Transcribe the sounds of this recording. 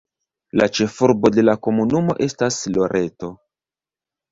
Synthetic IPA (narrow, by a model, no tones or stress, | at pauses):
lat͡ʃe̞fuɾbo̞de̞lako̞munumo̞ʔe̞staslo̞ɾʔe̞to̞